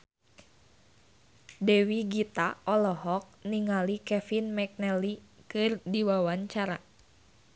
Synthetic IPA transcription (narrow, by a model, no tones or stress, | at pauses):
dɛwiɡit̪aɔlɔɦɔk̚niŋalikɛfinmɛk̚nɛlikɨrdiwawaɲt͡ʃaɾa̰